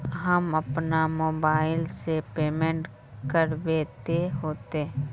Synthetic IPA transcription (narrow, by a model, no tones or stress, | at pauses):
ɦəmɐpnamoːbaːɪlsepeːmẽɳʈ | kəɾʋeːt̪eɦoːt̪e